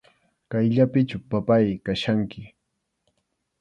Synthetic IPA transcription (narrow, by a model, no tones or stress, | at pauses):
kajʎapɪt͡ʃʊpapajkaʃaŋkɪ